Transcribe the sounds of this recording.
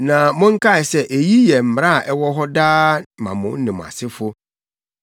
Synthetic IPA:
nã˨mʊ̃˦ŋ̩˦kʰa˦ɛ˨sɛ˦ʔe˨ji˦jɛ˨m̩˨m˨ɾa˦˨ʔɛ˦wɔ˦ɦɔ˦daː˦mã̰˨mʊ̃˨˦n̩˦nɪ̃˨m̃˨a̰˨sɪ˦fʊ˦

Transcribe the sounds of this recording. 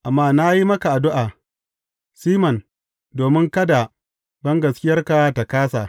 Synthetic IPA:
ʔa˨mːaː˦na˦ji˦mɐ˦ka˨ʔa˨dʊ˦ʔaː˨ | siː˦mɐ˨n | doː˨mɪ˦ŋkɐ˦da˨ | bɐ˦ŋɡɐ˨skʲɪ˦jɐ˦rka˨ta˨kaː˦sa˨

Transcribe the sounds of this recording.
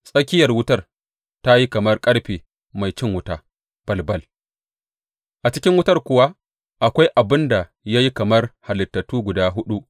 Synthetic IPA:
sʼɐ˦kʲɪ˦jɐ˨rwʊ˦tɐ˦r | ta˦ji˦kɐ˨mɐ˦rkʼɐ˦ɽɸeː˨ | ma˨jt͡ʃɪ˦ŋwʊ˦taː˦ | pɐ˨lbɐ˦l | ʔa˨t͡ʃɪ˦kʲɪ˦ŋwʊ˦tɐ˦rkʷʊ˨wa˦ | ʔa˨kʷa˦jʔa˨bɪ˦nda˨ | ja˦ji˦kɐ˨mɐ˦rha˨lɪ˨tːɐ˨tːuː˦ɡʷʊ˨daː˦ɦʊ˦ɗu˦ʔ

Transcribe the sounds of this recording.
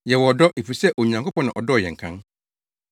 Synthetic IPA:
jɛ˨wɔ˨dɔ˦ʔe˨fu˨sɛ˦ʔo˨ɲ˨ã˨ŋkʰo˦pɔ̃˦nã˨ʔɔ˨dɔ˦ɔ˨jɛ̰˨ŋ̩˨kʰã˦ŋ

